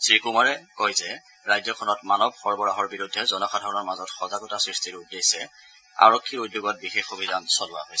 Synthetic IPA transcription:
sɹikumaɹɛkɔjzɛ | ɹajdjɔkʰɔnɔtmanɔbxɔɹbɔɹaɦɔɹbiɹudʱːɛzɔnɔxʰadʱɔɹɔnɔɹmazɔtxɔzaɡɔtasɹistiɹudːejsɛ | a̰ɹɔkʰːiɹudjoɡɔt̚bixexubʱidansɔlʊa̰ɦojsɛ

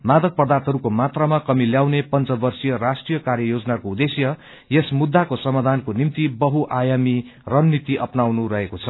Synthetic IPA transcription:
mad̪ʌk̚prʌd̪ʱat̪ɦʌɾukomat̪ramakʌmiljawnepʌnt͡sʌbʌrsijʌrasʈrijʌkarjʌjod͡zʌnakoud̪esjʌ | jesmud̪ʱːakosʌmad̪ʱankonimt̪ibʌɦuʔajamirʌnːit̪iʔʌpnawnuɾʌɦekot͡sʰʌ

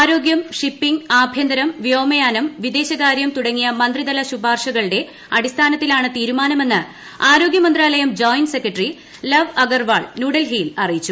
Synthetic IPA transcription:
aːɾo̞ːɡjɐmʂipːiŋɡaːbʱjɐnd̪ɐɾɐmʋjoːmɐjaːnɐmʋid̪e̞ːɕɐɣaːɾjɐmt̪uɽɐŋːijɐmɐnd̪rid̪ɐlɐɕubʱaːrʂɐɣɐɭɨɽe̞ | ɐɽist̪ʰaːnɐt̪ːilaːɳɨt̪iːɾumaːnɐme̞nːɨ | aːɾo̞ːɡjɐmɐnd̪raːlɐjɐmd͡ʑoːjnsekːɐʈri | lɐʋɐɡɐrʋaːɭnuːɽɐlɦiːlɐrijit͡ɕːu

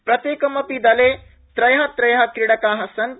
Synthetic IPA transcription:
pɾɐt̪eːkɐmɐpid̪ɐle | t̪ɾɐjɦɐt̪ɾɐjɦɐkɾiɽɐkaːɦɐsɐn

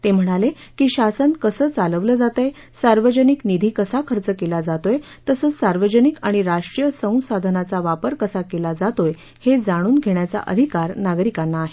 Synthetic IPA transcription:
t̪em̤əɽ̃alekiːɕasənkəsəːt͡saləʋləd͡zat̪əj | saɾʋəd͡ʑəniknid̪ʱiːkəsakʰəɾt͡səkelad͡zat̪oj | t̪əsəːt͡ssaɾʋəd͡ʑənikaɽ̃iɾaʂʈɾijəsə̃w̃sad̪ʱənat͡saʋapəɾkəsakelad͡zat̪oj | hed͡zaɽ̃uːnɡʱeɽjat͡sa̰ʔə̰d̪ʱikaɾnaɡɾikanːaːɦe

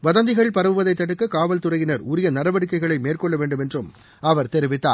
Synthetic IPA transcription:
ʋɐðɐnd̪ɪɣɐɭɪpɐɾɐʋɯʋɐðɐɪt̪ːɐɽɯkːɐkaːʋɐlt̪ʊrɐjɪnɐɾʊɾɪjɐnɐɾɐʋɐɽɪkːɐɪɣɐɭɐɪmeːrkɔɭːɐʋeːɳɖɯmɛndrɯm | ɐʋɐɾt̪ɛɾɪʋɪt̪ːa̰ː

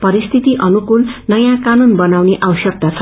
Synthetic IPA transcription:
pʌɾist̪ʰit̪iʔʌnukulnʌjãkanunbʌnawneʔawsʌk̚t̪at͡sʰʌ

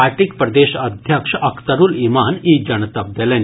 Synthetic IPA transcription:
aɾʈik̚pɾɐd̪eɕəd̪ʱjəkʂʔəkʰt̪əɾuːlimaniːd͡ʑənt̪ap̚d̪ɛlẽn

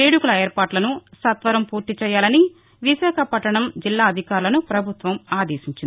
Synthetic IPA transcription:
eːɽukulɐeːɾpaːʈlɐnusɐt̪ʋɐɾɐmpuːɾt̪it͡ʃɛːjːaːlɐni | ʋiʃaːkʰɐpɐʈːɐɳɐmd͡ʒilːaːɐd̪ʱikaːɾulɐnupɾɐbʱut̪ʋɐmaːd̪eːsiɲt͡ʃini

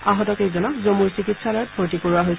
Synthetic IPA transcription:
aɦɔtɔkejzɔnɔkzomuɹsikitsalaɹpʰoɹtikoɹuwaɦojs

